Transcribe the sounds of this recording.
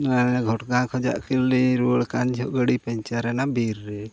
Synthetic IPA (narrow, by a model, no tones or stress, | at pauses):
aɛɡʱɔʈɡãkʰɔd͡ʒa̰ʔkilːiɾuəɭkand͡ʒʱɔʔɡəɽipɛɲt͡ʃaɾɛnabiɾːɛ